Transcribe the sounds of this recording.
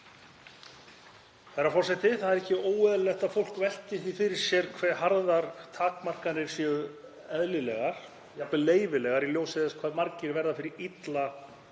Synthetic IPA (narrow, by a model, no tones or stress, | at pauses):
θɛɾafɔrsɛht̪ɪθaðɛɾɛhcɪoːwɛðlɛxt̪aðfowl̥kvɛl̥t̪ɪθifɪɾɪɾ̥sjɛɾ̥kʰvɛ̥ːɦaɾðaɾ̥t̪ʰaːkmar̥kanːɪɾ̥sɛɣʏ | ɛðlɪlɛɣaɾ̥ | japlɪleːjvɪlɛɣaɾiljoːwsɪðɛskʰvaːðmaɾcɪɾvɛɾðafɪɾɪɾit̪la